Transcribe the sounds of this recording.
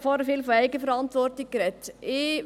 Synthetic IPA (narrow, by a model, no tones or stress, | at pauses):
fɔːɾəfɪːlfɔɛɪɡəfəɾɑntʋɔrtɪk̚ɡɾɛtɪ